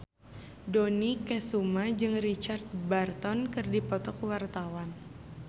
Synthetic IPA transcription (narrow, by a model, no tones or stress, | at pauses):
donikɛsumad͡ʒɨŋrit͡ʃart̪̚bart̪ɔnkɨrdipɔt̪ɔkwart̪awan